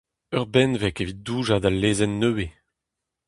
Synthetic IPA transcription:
œʁbɛnvɛkevit̪̚d̪uːʒad̪alːeːzɛnːøwe

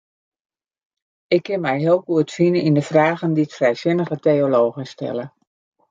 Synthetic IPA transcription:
ɪkʰːɪnmɛjɦɪəlˠkuətfinəindəfraːɣənditfrɛjsɪnəɣəteoloːɣənstɛ̰lə

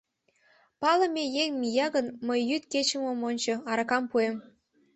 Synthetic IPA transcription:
pɑlə̆mejeŋmijɑɣənməjːyt̪ket͡ɕəmomonʲt͡ɕŏɑɾɑkɑmpuem

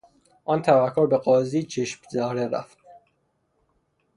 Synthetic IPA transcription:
ʔɒːnt̪ʰævækʰːoɾbeɡɒːziːt͡ʃʰeʃmzæɾeɾæ̰ft̪

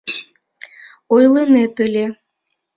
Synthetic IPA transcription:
ojlənet̪əlʲe

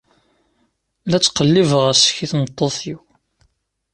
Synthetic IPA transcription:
læt͡sːqəlːivəʁæsə̥çiθnət̪ˤːoθiw

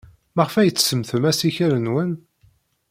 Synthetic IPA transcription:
mæʁfæjət͡sːsəmθəmæsiçəɾənwən

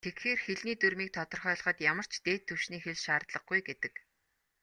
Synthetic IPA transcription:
t̪ʰekxeːrxeɮniːt̪urmiːk̚t̪ʰɔt̪ɞ̆rχœːɮ̆ʁə̆t̪jamə̆r̥t͡ɕt̪eːt̪ʰːɵwʃniːxeɮʃaːrt̪ɮə̆ɡ̚ɡujɡet̪ɘ̆k

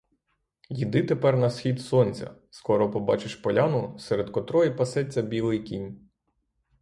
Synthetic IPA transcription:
jid̪ɪt̪epɛrnɐsxʲid̪sɔnʲt͡sʲɐ̰skɔɾɔpɔbɑ̰t͡ʃɪʃpɔlʲanʊsɛɾed̪kɔt̪ɾɔjipɐsɛt͡sʲːɐbʲilˠɪjkʲinʲ

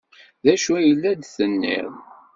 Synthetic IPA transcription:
ðæʃujəlːæd̪θənːḭɾ

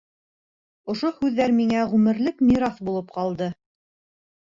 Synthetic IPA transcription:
ŏʃohʉðːæɾmiŋæʁʉmɘ̆ɾlɘkmʲiɾɑθbulˠɤp̚qɑlˠd̪ɤ

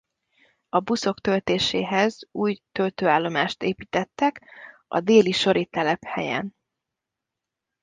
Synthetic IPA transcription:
ɒbuso̞kt̪ø̞lt̪eːʃeːɦɛzuːjt̪ø̞lt̪øːaːlːo̞maːʃt̪eːpiːt̪ɛt̪ːɛkɒ̰d̪eːliʃo̞ɾʔit̪ɛlɛphɛ̰jɛ̰n

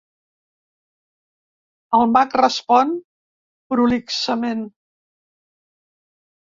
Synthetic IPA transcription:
əlˠmakrəspɔn | pɾuliksəmen

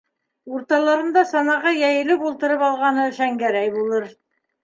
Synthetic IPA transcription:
uɾt̪ɑlˠɑɾɤ̆nd̪ɑsɑnɑʁɑjæjɘ̆lɘkulˠt̪ɤ̆ɾɤpɑlˠʁɑnɤɘ̆ʃæŋɡæɾæjbulˠɤɾ

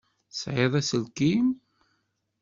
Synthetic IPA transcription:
sʕeðˤæsəlkim

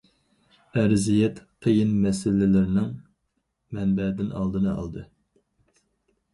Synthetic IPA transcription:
æɾzijɛt̪qʰəjinmɛsɪlɪlɪɾɪnɪŋ | mɛnbɛd̪ɪnɑ̰lˠd̪ɨnɨɑ̰lˠd̪ɨ

